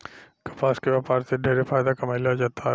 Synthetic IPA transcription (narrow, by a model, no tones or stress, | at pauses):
kɐ̥paːskeʋaːpaːɾseɖʱeːɾefaːjd̪akɐməɪlaod͡ʒaːt̪ʰa